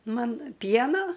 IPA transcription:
ˈmɐn ˈpʲiɛnoː

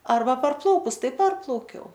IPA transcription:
ˈɐrbɐ pɐrˈplˠɐʊkʊs ˈtɐɪ ˈpɐrplˠɐʊkʲɛʊ

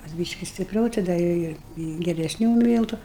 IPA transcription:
kɐs ˈbʲiːʃʲkʲɪ sʲtʲɪpʲˈrʲɛʊ tɐɪ ˈdɐ ɪr ˈɪ ɪ ɡʲɛrʲɛsʲˈnʲuː ˈmʲiːlˠtʊ

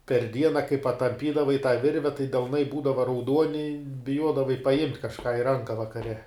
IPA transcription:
pʲɛr ˈdʲiɛnɐ kɐɪ pɐtɐmʲˈpʲiːdɐʋɐɪ tɑː ˈʋʲɪrʲʋʲɛ tɐɪ dʲɛlˠˈnɐɪ ˈbuːdɐʋɐ rɐʊˈduɔnʲɪ bʲɪˈjuɔdɐʋɐɪ pɐˈjɪmʲtʲ kɐʃˈkɑː ɪ ˈrɐŋkɐ ʋɐkɐˈrʲɛ

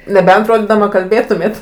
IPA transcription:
nʲɛˈbʲɛnt ˈroːdʲiːdɐmɐ kɐlʲˈbʲeːtʊmʲeːt

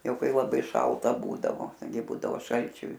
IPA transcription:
ˈjɛʊ ˈkɐɪ lˠɐˈbɐɪ ˈʃɐlˠtɐ ˈbuːdɐʋoː ɡʲɪ ˈbuːdɐʋoː ˈʃɐlʲt͡ʃʲʊ

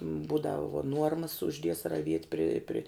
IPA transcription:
ˈbuːdɐw ʋuɔ ˈnuɔrmɐs ʊʒʲˈdʲiɛs rɐˈʋʲiɛtʲ pʲrʲɪ pʲrʲɪ

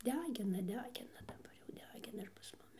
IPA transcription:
ˈdʲæːɡʲɪnɐ ˈdʲæːɡʲɪnɐ dɐˈbɐr jɛʊ ˈdʲæːɡʲɪnɐ ɪr pɐs ˈmʊmʲɪ

